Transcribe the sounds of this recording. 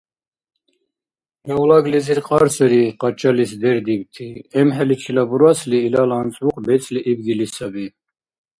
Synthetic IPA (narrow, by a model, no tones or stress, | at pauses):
mɛwlaɡliziɾqʼaɾsɛɾiqʼat͡ʃʼalisd̪ɛɾd̪ibt̪ʰiɛmɦɛlit͡ʃʰilabuɾasliːlalant͡s̪ʼvuqʼbɛt͡sʼliʔibɡilisabi